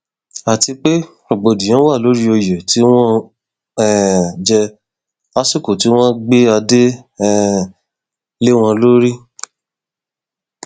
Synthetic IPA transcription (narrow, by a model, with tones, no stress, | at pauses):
a˨ti˧k͡pe˦ | o˨ɡ͡bo˨dĩ˨j̃ã˨˦wa˦˨lo˨˦ɾi˦o˧jɛ˨ti˨˦w̃ɔ̃˦ | ɛ˦˨d͡ʒɛ˧ | a˦su˦˨ko˨ti˨˦w̃ɔ̃˦ɡ͡be˦a˧de˦ɛ˦ | le˦w̃ɔ̃˧lo˦ɾi˦